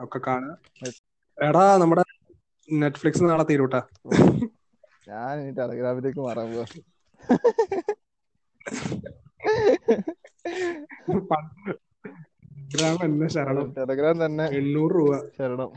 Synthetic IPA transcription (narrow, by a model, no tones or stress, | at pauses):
okːekːaːɳɨ | eɽanɐmːuɽe | neʈːfɭiksɨnaːɭɐt̪iːɾuːʈːa | ɲaːninːiʈelɐɡɾaːmileːkːɨmɐrɐɡo | pɐn | ɡɾaːmenːeɕɐɾɐɳɐmʈelɐɡɾaːmt̪ɐnːeeɳːuːrruːbaɕɐɾiɳɐm